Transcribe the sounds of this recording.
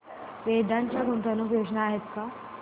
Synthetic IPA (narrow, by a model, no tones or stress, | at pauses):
ʋed̪aɲt͡ɕjaɡont̪anopjod͡ʑnaːɦet̪ka